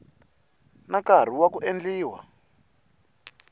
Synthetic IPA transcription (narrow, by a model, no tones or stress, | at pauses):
nakar̤iwakuʔend͡ɮiːwa̰